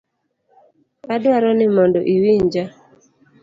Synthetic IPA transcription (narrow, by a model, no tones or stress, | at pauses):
adwaɾɔnɪmɔndɔʔiwiɲd͡ʒa